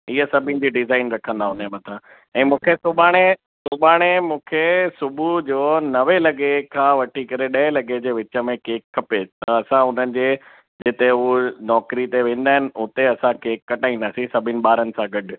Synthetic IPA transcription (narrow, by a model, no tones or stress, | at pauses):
iɦəsɐbʱɪnɪ̆d͡ʑiːɖɪzaːɪnɾɐkʰə̃nd̪aːɦʊn̤emɐt̪ʰã | ɛ̃ːmũːkʰesʊbaːɽ̃e | sʊbʱaːɽ̃emũːkʰesʊbʱud͡ʑoːnɐʋelɐɠekʰãːʋɐʈʰikɐɾeɗɐɦelɐɠed͡ʑeːʋɪt͡ɕə̆mẽkeːkʰːɐpet̪ɐɐsãʊn̤ənɪ̆d͡ʑeː | d͡ʑɪt̪eɦunɔːkɾit̪eʋẽːn̆d̪aːɦɪnɪ̆ʊt̪eɐsãkeːkːɐʈaːĩnd̪aːsĩsɐbʱɪnɪ̆ɓaːɾənɪ̆sãɡɐɖʊ̆